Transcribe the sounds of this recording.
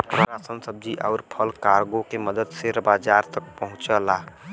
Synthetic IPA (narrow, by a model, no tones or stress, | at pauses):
pɾəɾaːsənsəb̚d͡ʒiʔɔːɾpʰəlkaːɾɡõkeməd̪əd̪seɾəbaːd͡ʒaːɾt̪ək̚pəɦʊ̃t͡ʃəlaː